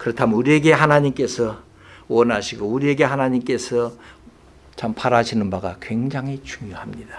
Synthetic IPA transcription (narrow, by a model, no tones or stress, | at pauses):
kɯɾʌtʰamnuɾie̞ɡe̞ɦanaɲimk͈e̞sʰʌ | wʌnaɕʰiɡouɾie̞ɡe̞ɦanaɲimk͈e̞sʰʌ | t͡ɕampʰaɾaɕʰinɯnbaɡakweŋd͡ʑaŋɦit͡ɕuŋjohamɲid̥a